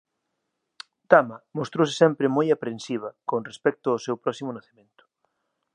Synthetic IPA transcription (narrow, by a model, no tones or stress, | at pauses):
t̪amɐmost̪ɾowsɪ̥sɛmpɾɪmojapɾensiβ̞ɐkonrespɛk̚t̪ʊasewpɾɔsimʊnaθemẽnt̪ʊ̥